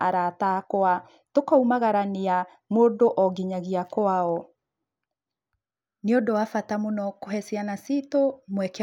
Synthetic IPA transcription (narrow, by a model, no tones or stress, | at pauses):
aɾatakoa | tokaumaɣaɾanea | moːdoʔɔɡiɲaɣiakoaɔ | neodoafatamonɔkoɦɛsianasitomwɛkɛ